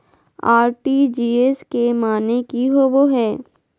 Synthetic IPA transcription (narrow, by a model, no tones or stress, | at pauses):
aːɾʈid͡ʒiːeskemaːnekiɦoboɦɛː